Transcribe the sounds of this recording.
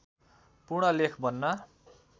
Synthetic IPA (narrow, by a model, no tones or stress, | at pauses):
purɽʌlekʰbʱʌnːʌ